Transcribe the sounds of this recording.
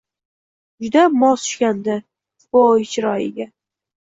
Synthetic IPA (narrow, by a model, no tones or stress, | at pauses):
d͡ʒʊd̪amɒsʊ̥ʃkʲand̪ɪ | bojt͡ʃʰɪɾɒjɪ̰ɡʲa